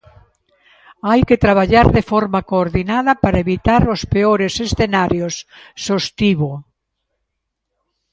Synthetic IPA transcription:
ajket̪ɾaβaʎaɾðefɔɾmakoːɾðinaðɐpaɾɐeβit̪aɾospeoɾesesθenaɾjosːost̪iβo

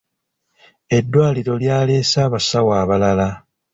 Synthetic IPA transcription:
e̞dːwaːliɾo̞ljaːle̞ːsaːβasawaːβalala

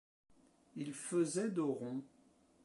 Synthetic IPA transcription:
ilfəzɛd̪əʁɔ̃

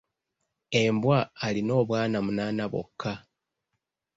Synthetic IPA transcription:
e̞mbwaːlino̞ːβwaːnamunaːnaβo̰kːa

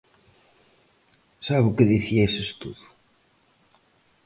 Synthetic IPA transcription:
saβukəðiθiæisəst̪uðu̥

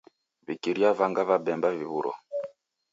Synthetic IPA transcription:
βikiɾiavaŋɡaβabɛmbaviβuɾɔ̰

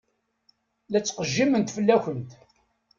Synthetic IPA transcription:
læt͡sːqəʒːimənt̪fəlːæçənt̪

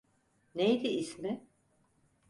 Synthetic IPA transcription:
nejd̪iismɪ

